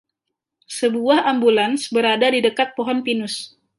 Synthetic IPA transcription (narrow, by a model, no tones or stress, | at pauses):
səbuahambulansbəɾadadidəkat̪̚poɦɔnpinʊs